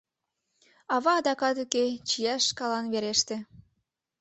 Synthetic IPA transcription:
ɑβɑːd̪ɑkɑt̪uket͡ɕijɑʃkɑlɑnβeɾeʃt̪ĕ

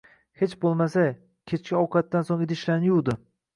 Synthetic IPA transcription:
he̞t͡ʃbolˠmasa | kʲʰet͡ʃkʲaɒwqʰɑt̪ːansoŋɪd̪ɪʃlaɾnɪjuwd̪ɪ

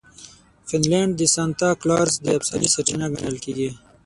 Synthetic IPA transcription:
fɪnleɳɖd̪isant̪aklɑːɾsd̪əabsanisɐʈinaɡɐnəlkeɡi

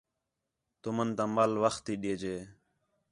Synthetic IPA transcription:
t̪umənt̪ãːmalʋəxt̪iːɗeːd͡ʒeː

